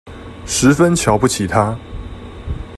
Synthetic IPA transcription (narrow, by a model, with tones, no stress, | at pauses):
ʂɻ̩˧˥fə˦nt͡ɕʰjɑ˧˥ʊpu˥˩t͡ɕʰi˨˩t̪ʰa˦